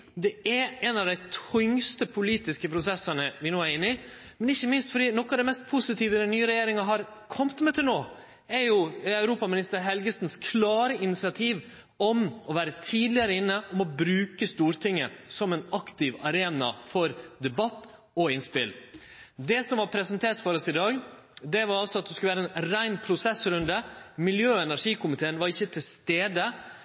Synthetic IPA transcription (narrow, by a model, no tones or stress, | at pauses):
d̪ɛæɛnɑʋd̪æɪt̪ʰʏŋst̪əpʰʊliːt̪ɪskəpʰɾʊsɛsɑnəʋɪnoːæɾɪnːɪ | mɛnɪçːəmɪnst̪fɔɖiːnɔkːɑʋd̪ɛɪmɛst̪̚pʰʊsɪt̪ʰiːʋəd̪ɛnyːəɾɛjeːɾɪŋɑɦɑɾ | kʰɔmt̪mɛt̪ʰɪlnoː | ɛɾjʊɑʉɾuːpɑmɪnɪst̪əɾɦɛlɡəsnskʰlɑːɾəɪnɪt̪sɪɑt̪ʰiːʋ | ɔmɔʋæːɾət̪ʰiːd̪lɪəɾəɪnːəʔɔmɔbɾʉːkəst̪uːɾt̪ʰɪŋːə̰sɔmɛnɑkt̪ɪʋɑɾeːnɑ̰fɔɾd̪ɛbɑt̪ː | ɔɪnspɪ̰ld̪ɛsɔmʋɑɾpʰɾɛsɛnt̪ʰeːʈ̪fɔɾɔsɪd̪ɑːɡ | d̪ɛʋɑɾɑlsɔɑt̪̚d̪ɛskʉlʋæːɾəɛnnɾæɪnpʰɾʊsɛsɾʉnd̪əmɪljøːɛnæɾʂiːkʰʊmɪt̪ʰeːənʋɑɾɪçːət̪ʰɪlst̪eːd̪ə